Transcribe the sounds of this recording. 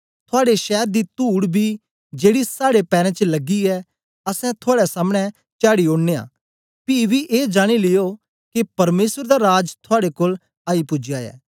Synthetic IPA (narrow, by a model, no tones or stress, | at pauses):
t̪ʰʊaːɽeʃɛːɾd̪it̪uːɽbʱiː | d͡ʒeːɽisaːɽepɛːɾɛ̃ːt͡ʃəlɐɡiɛ | ɐsɛ̃t̪ʰʊaːɽɛsaːmɽ̃ɛ | t͡ʃjaːɽiõːɽneːa̰ː | pibiʔeːd͡ʒaːɽ̃ilɪjo | kepɐɾmeːsəɾd̪aːɾaːd͡ʒt̪ʰʊaːɽekoːl | aːipʊd͡ʒjaːjɛ̰ː